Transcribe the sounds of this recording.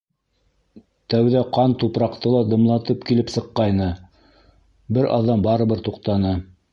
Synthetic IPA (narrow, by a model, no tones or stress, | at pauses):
t̪æwðæqɑnt̪upɾɑqt̪ɤlˠɑd̪ɤ̆mlˠɑt̪ɤpkilɘpsɤ̆qːɑjnɤ | bɘɾʔɑ̰ðːɑmbɑɾɤ̆βɤɾt̪uqt̪ɑnɤ